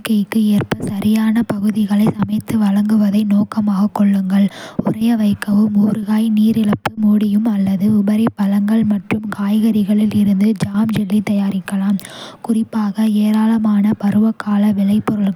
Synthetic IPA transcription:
kːɐjkːɯeːrpɐsɐɾʔɪjaːnɐpɐɣɯðɪɣɐɭɐɪsɐmɐɪt̪ːɯʋɐɭɐŋɡɯʋɐðɐɪnoːkɐmaːɣɐkːɔɭːɯŋɡɐɭʊrɐjɐʋɐɪkːɐʋɯmuːɾɯɣaːjniːɾɪɭɐpːɯmuːɽɪjɯmɐlːɐðɯʊbɐɾɐɪpːɐlɐŋɡɐɭmɐʈrɯmkaːjɣɐɾɪɣɐɭɪlɪɾɯnd̪ɯd͡ʒaːmd͡ʒɛlːit̪ɐjaːɾɪkːɐlaːmkʊrɪpːaːɣɐeːɾaːlɐmaːnɐpɐɾɯʋɐkːaːlɐʋɪɭɐɪpːɔɾɯɭ

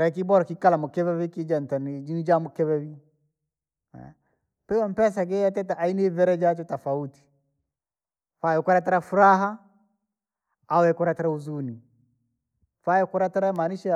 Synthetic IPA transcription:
ɾakibɔɾakikalamukɛβɛβikid͡ʒantanid͡ʒinid͡ʒamukɛβɛβi | ɛ̰ | pɛwam̩pɛs̬aɡɛjatɛt̬aʔainɛvɛɾɛd͡ʒat͡ʃɔtafauti̥ | fajɔkɔɾataɾafuɾaɦa | awɛkuɾataɾauzuni | fajɛkuɾataɾamaniʃa

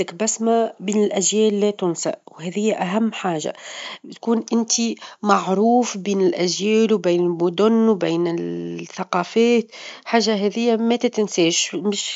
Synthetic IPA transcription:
ɪkbæsmæbiːnɪlʔæʒjɛːlːɛt̪ʊnsa̰ʔwhɛːðɪjːʔæɦæmːħaːʒa̰bɪt̪kuːnʔɪnt̪imaʕɾuːfbiːnɪlʔæʒjɛːlwbiːnɪlmʊd̪ʊnːwbiːnɪlθaqɑːfɛːt̪ħaːʒːaɦɛːðɪjːamæt̪æt̪ɪnsɛːʃmɪʃ

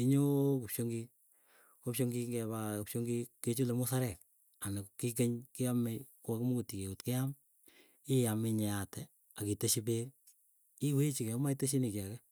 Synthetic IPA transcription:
iɲokupʃoŋɡi | kopʃoŋɡiŋɡɛbakupʃoŋɡikːet͡ʃulemusaɾɛk̚ | anakik̬eɲkeamekwakumokutikeotkeam | ɪjameɲɛatɛ | akiteʃip̬e | iwet͡ʃikɛmaiteʃinikjakɛ

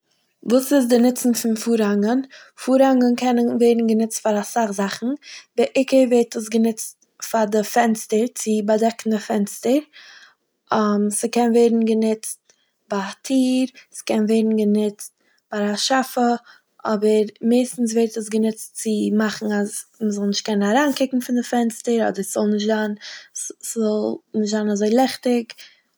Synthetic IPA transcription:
vuːsɪsdɪnɪt͡sn̩fɪnfuːɾhaŋən | fuːɾhaŋənkʰɛnənveɪdn̩ɡənɪt͡stfaɾasaχzaχn̩bɪʔɪkəɾveɪɾtəs̬ɡənɪt͡st | fadɪfɛnstəɾt͡sɪbadɛkn̩dɪfɛnstəɾ | ɔmsɪkɛnveɪdn̩ɡənɪt͡st̚ | batʰiːɾskɛnveɪdn̩ɡənɪt͡st̚ | b̥aɾaʃafə | ʔɔbəɾmeɪstn̩s̬veːɾtəs̬ɡənɪt͡st͡sɪmaχn̩azməzɔlˠnɪʃt̚kɛnənaɾaːnkɪkŋ̩fɪndɪfɛnstəɾɔ̰dəɾsz̥ɔlˠnɪʃtzan | szɔlˠnɪʃtz̥anazoɪlˠɛχtɪk

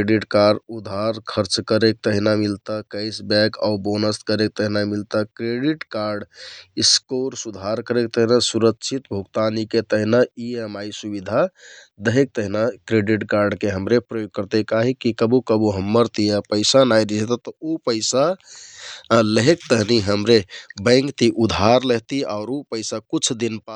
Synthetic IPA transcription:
ɖiʈkaɾɖud̪ʱaɾkʰəɾt͡ʃkəɾek̚t̪əɦinamilt̪əkəɪsbɛka̰ubonəst̪kəɾek̚t̪əɦinamilt̪əkɾeɖiʈkaɾɖiskoɾsud̪ʱaɾkəɾek̚t̪əɦinasuɾəkt͡ʃʰit̪bʱuɡt̪aniket̪əɦinaiemajsubid̪ʱa | d̪əɦek̚t̪əɦinakɾeɖiʈkaɾɖkeɦəmɾepɾəjoɡ̚kəɾt̪ekaɦikːikəbukəbuɦəmːəɾt̪ijapəɪsanajɾid͡ʒet̪at̪ɔupəɪsa | ləɦekt̪əɦniɦəmɾebə̃ɪŋkt̪iʔud̪ʱaɾləɦt̪iaʊɾopəsakut͡ʃʰd̪inpa

